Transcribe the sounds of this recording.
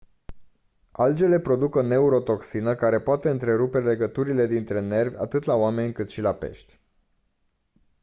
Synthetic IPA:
ald͡ʒe̞le̞pɾo̞d̪ukəne̞uɾo̞t̪o̞ksinəkaɾe̞poat̪e̞ɨnt̪ɾe̞ɾupe̞le̞ɡət̪uɾile̞d̪int̪ɾe̞ne̞rvʲa̰t̪ɨt̪laoame̞nʲkɨt̪ʃilape̞̰ʃt̪ʲ

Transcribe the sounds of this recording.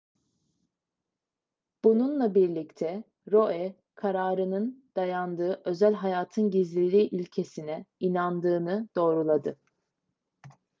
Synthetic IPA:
b̥ununlˠabiɾlʲict̪ʰɛ | ɾo̞ʔɛ | kʰaɾaːɾɯnɯnd̪̥ajand̪ɯːʔø̞zælʲɦajaːt̪ʰɯnɟizlʲilʲiːʔilʲcʰe̞sinɛinand̪ɯːnɯd̪̥o̞ːɾulˠad̪ɯ

